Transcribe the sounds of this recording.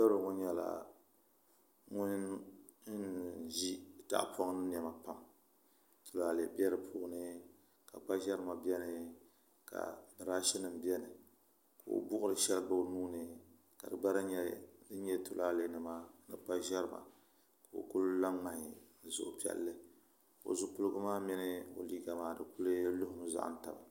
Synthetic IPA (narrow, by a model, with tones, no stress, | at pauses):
ba˦ɾɨ˨ŋʊ˦ɲɛ˨la̰˨ | ŋʊ˦n˦ | n˦ʒi˦ta̰˨ʔpʰɔ˦ŋ˦nɨ˦n˨ɛ˨ma˨pa˦m | tʰu˨la˨lḛ˨bɛ˦ɾɨ˨pʰʊː˦ʔnɨ˦ | ka˨k͡pa˦ʒɛ˦ɾɨ˦ma˨bɛ˦nɨ˨ | ka̰˨bɨ˨ɾa˦ʃɛ˦nɨ˨m˦bɛ˦nɨ˨ | ka˨o̰˨bʊ˦ʔʊ˦ɾɨ˨ʃɛ˦lɨ˦ba˦˨nuː˦nɨ˨ | ka˨dɨ˨ɡ͡ba˦ɾa˦ɲɛ˦dɨ˦ɲɛ˦tʊ˨la˦le˦nɨ˨maː˦nɨ˨k͡pa˦ʒɛ˦ɾɨ˦˨ma̰˨ | ka˨o̰˨kʊ˦lla˦ŋ͡ma˨hɪ˨n̩˨zʊ̰˨ʔʊ˨pi˨ɛ̰˨lːɨ˦ | o̰˨zʊ˦k͡pʊ˦lɨ˦ɡɨ˦maː˦mɛ˦nɨ˦o̰˨liː˦ɡa˨maː˨dɨ˨kʊ˦lɨ˦lʊ˦hʊ˦m˦za̰˦ʔn̩˦ta˨ba˨